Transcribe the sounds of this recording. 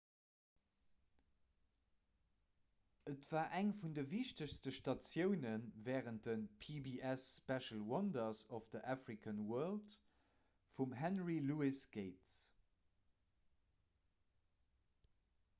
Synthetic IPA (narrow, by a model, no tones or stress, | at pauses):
ətv̥aːʔæŋfundəviʃtəɕstəʃtɑt͡sjəʊnənvɛːʁənt̚d̥ənpʰibiʔɛspɛʃəlwɑndɐsɔfd̥əʔafʁikʰənwɜɐlt | fumɦænʁiluisɡ̥eɪts